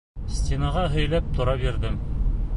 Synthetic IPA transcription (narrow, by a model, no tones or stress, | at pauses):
sʲt̪ʲenɑʁɑɦɘ̆jlæp̚t̪ŏɾɑbiɾðɘm